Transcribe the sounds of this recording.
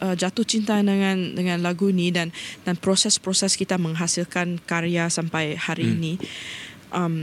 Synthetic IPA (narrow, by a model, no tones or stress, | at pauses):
ʔəd͡ʒat̪ʊht͡ʃint̪aandəŋãndəŋãnlaɡunĩdandanpɾosɛspɾosɛskit̪amə̃ŋɦasilkankaɾeasampajhaɾiːnĩ | ʔam